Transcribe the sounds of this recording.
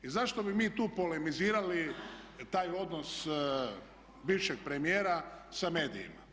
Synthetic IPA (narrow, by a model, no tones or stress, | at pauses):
izaʃt̪o̞bimiːt̪uːpolemiziːɾali | t̪aːjo̞d̪nos | biːʋʃeɡ̚pɾe̞mijeːɾasame̞ːd̪ḭḭma̰